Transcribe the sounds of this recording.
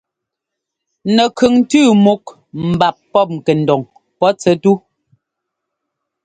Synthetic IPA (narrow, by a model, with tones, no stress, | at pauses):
nɛ˨kʰʉ˨ŋn̩˦tʉː˦˨mu˦k | mm̩˨ba˨pːɔ˦˨p̚ŋ̩˨kɛ˨n̩˨dɔ˨ŋ | pɔ˦t͡sɛ˨tu˦